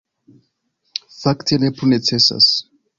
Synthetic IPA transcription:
faktʰenepʰunet͡sʰesa̰s

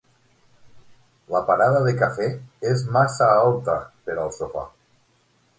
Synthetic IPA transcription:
lapaɾaðaðekafeezmasaalˠt̪əpeɾəlˠsofa̰

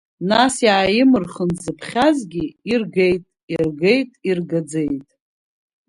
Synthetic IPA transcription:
nasjaːjɪmɨrχənzɨpʰχʲazɡʲiirɡe̞jtʼirɡejtʼirɡad͡zejtʼ

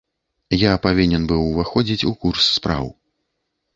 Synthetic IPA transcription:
japavʲinʲɛnbɨwvaxɔd͡zʲit͡sʲukursːpɾa̰w

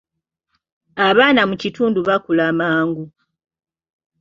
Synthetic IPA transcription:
aβaːnamucituːnduβakulamaːŋɡu

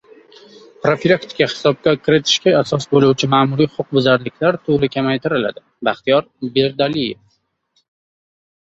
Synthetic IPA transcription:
pɾofilˠakt̪ɪ̥kahɪ̥sɒb̚kʲakʰʲɪɾɪt̪ʰɪ̥ʃkʲaasɒsbolˠuwt͡ʃʰɪmaːmʊɾijχʊq̚bʊzaɾlɪkʲlaɾt̪ʰʊɾɪkʲʰamajt̪ʰɪɾɪla̰d̪ɪ | baχt̪ijɒɾ | be̞ɾd̪alijef

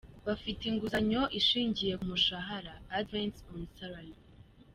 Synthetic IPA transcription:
βafitiŋɡuzaɲo̞ʔiʃiːɲɟije̞kumuʃaɦaɾaːdvensonsaɾali

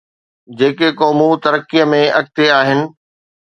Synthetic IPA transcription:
d͡ʑeːkekɔːmut̪ɐɾəkːijəmẽʔɐɡ̚t̪eaːɦɪnɪ̆

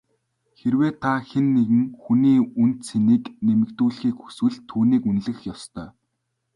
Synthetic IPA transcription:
xerweːt̪ʰaxenːeɣɘ̆ŋxuniːunt̪sʰeniːknemɘ̆kt̪uːɮxiːkxu̥swɘ̆ɮt̪ʰːuːniːkunɮɘ̆xjɔst̪ʰœː

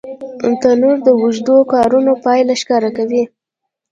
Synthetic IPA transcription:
t̪anoɾd̪əwuʒd̪okɑɾunopɑjlaʃkɑɾakawi

